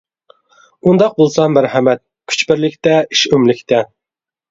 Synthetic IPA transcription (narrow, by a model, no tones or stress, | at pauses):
und̪ɑq̚bolˠsɑmæɾhɛmɛt̪̚ | kʲʰy̥t͡ʃbɪɾlɪkʲt̪ɛʔi̥ʃymlɪkʲt̪ʰɛ